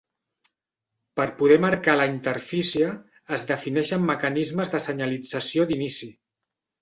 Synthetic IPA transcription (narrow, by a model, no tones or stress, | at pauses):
pəɾpuð̞ɛməɾkaləint̪əɾfisiəː | zðəfinɛʃəmːəkənizməzðəsəɲəlid͡zəsiod̪inisi